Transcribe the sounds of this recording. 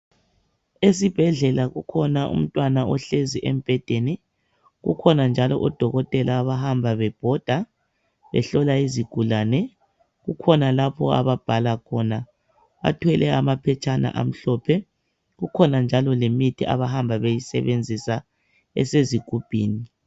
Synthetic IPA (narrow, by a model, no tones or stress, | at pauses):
esib̥ʱɛɮɛlaɣukʰɔnaʔṵm̩tʼwanaʔɔɬeziʔem̩b̥ʱɛd̥ʱenɛ | ɣṵkʰɔnand͡ʒʱalɔʔɔd̥ʱɔɣɔtʼɛlaːβahambʱaβɛb̥ʱɔd̥ʱa | βɛ̰ɬɔlaiziɡ̥ʱulaːnɛ | ɣukʰɔnalapʰɔa̰βab̥ʱalakʰɔna | βa̰tʰwɛlɛamapʰɛt͡ʃʰʼana̰ʔa̰m̩ɬɔpʰɛ | ɣukʰɔnand͡ʒʱalɔlemitʰiʔa̰βahambʱaβejisɛ̰βend͡zʱisa | ɛ̰seziɡ̥ʱub̥ʱiːni